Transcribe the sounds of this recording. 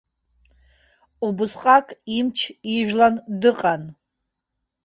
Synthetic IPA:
ubɨsqʼakʼimt͡ʃʰiʒᶣlandɨqʼan

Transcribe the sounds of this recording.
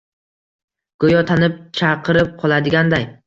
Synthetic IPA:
ɡ̥ojɒt̪ʰanɪp̚t͡ʃʰɑqʰɨɾɪp̚qʰɒlˠad̪ɪɡʲand̪aj

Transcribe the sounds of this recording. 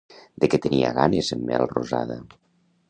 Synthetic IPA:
d̪eket̪əniaɣanezəmːɛ̰lˠroza̰ðə

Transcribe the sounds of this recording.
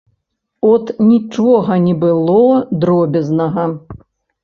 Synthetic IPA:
ɔt̪nʲit͡ʂɔɣɐnʲɛbɨlˠɔd̪ɾɔbʲɛznɐɣɐ

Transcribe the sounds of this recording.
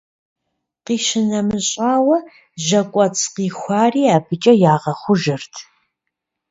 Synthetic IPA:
qiːʃɪnɐmɨɕʼaːwɐ | ʒɐkʷʼɐt͡sʰʼqiːxʷɑːriːaːbɨt͡ʃʼɐjaːʁɐχʷʊʒɨrtʰ

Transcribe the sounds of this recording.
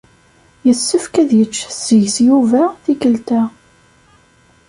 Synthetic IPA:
jəsːəfkæðjət͡ʃːsjsjuvæθikəlt̪æ

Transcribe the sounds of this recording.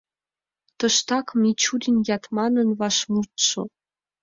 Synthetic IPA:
t̪ɤ̆ʃt̪ɑkmit͡ɕud̪ʲinjɑt̪mɑnə̆nβɑʃmut̪ʃo̰

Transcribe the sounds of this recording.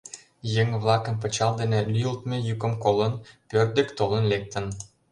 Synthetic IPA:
jeŋβlˠɑkə̆mp̬ə̆t͡ɕɑld̪enĕlyjəlt̪mĕjykə̆mkolə̆npørd̪ə̆kt̪olə̆nlek̚t̪ə̆n

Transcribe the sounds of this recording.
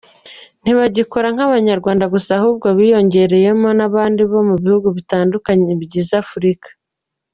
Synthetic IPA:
n̥iβaɟikoɾaŋ̥haβaɲaɾɡwaːndaɡusahuːb̚ɡoβiːjo̞ɲɟe̞ɾe̞je̞mo̞naβaːndiβo̞muβihuɡuβitaːndukaɲeβɟizafuɾikḁ

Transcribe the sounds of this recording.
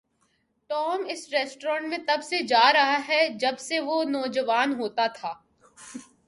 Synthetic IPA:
ʈɔːmɪsɾɛːsʈɾɔ̃ːɳʈmẽt̪ɐbsed͡ʒaːɾɐɦaɦɛd͡ʒɐbseʋonɔːd͡ʒəʋaːnɦoːt̪at̪ʰaː

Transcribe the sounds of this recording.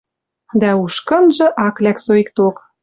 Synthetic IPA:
d̪æuʃkɤ̆nʒɤ̆ʔɑklæksoik̚t̪ok

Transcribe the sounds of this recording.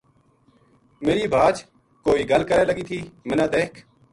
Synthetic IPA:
meːɾiːbʱaːt͡ʃ | koːiːɡəlkəɾeːləɡiːt̪ʰiːmɪnãːd̪eːkʰ

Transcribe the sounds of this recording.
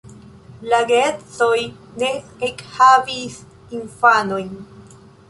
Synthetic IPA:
laɡet͡soj | neekhavis | infanojn

